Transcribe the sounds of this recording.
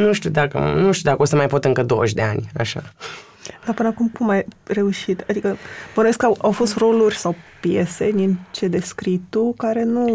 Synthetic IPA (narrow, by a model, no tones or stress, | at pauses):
nuʃt̪ud̪akə̰nuʃt̪jud̪akəo̞st̪əmajpo̞t̪ɨŋkəd̪o̞̰əʃʲd̪e̞anʲa̰ʃa̰ | d̪apɨnəakumkumajre̞uʃit̪ad̪ikəbənoeskawawfo̞st̪ro̞lurʲsawpje̞se̞d̪int͡ʃe̞d̪e̞skɾit̪ukaɾe̞nu